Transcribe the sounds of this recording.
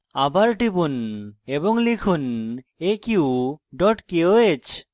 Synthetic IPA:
abaɾʈipuneboŋlikʰunekiwɖɔʈkeoet͡ɕ

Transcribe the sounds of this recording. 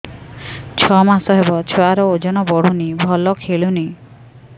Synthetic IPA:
t͡ʃʰɔmasɔɦebɔt͡ʃʰɔaɾɔod͡ʒɔnɔbɔɽ̤unibʱɔlɔkʰeɭuni

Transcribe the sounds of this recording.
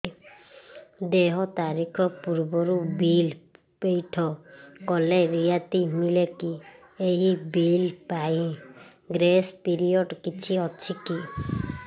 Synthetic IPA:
d̪eɦɔt̪aɾikʰɔpuɾbɔɾubil | pejʈʰɔkɔleɾijat̪imileki | eɦibilpaĩ | ɡɾespiɾijɔɖkit͡ʃʰiɔt͡ʃʰiki

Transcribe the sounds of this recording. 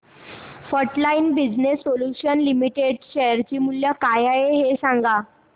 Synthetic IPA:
fəɾʈlainbid͡ʑnesːoljuɕənlimiʈeɖɕəjəɾt͡ɕiːmuljakajajeɦesãŋɡa

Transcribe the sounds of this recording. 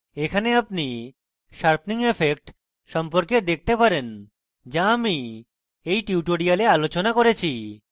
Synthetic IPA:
ekʰaneapni | ʃaɾpʰniŋefʰek̚ʈ | ʃɔmpoɾked̪ek̚ʰt̪epaɾen | d͡ʑaami | ejʈiuʈoɽialealot͡ɕonakoɾet͡ɕʰi

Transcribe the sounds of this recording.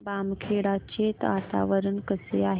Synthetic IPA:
baːmkʰeɽat͡ɕet̪at̪a̰ʋəɾənkəsḛaɦ

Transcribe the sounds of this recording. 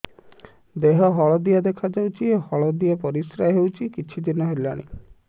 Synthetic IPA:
d̪eɦɔɦɔɭɔd̪iad̪ekʰad͡ʒawt͡ʃʰiehɔɭɔd̪iapɔɾisɾaɦewt͡ʃʰikit͡ʃʰid̪inɔɦelaɽ̃ḭ

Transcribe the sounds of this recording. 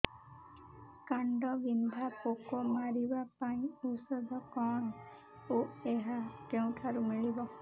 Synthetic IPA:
kaɳɖɔɡind̪ʱapokɔmaɾibapaĩusɔd̪ʱɔkɔn | oeɦakeũʈʰaɾumiɭibɔ

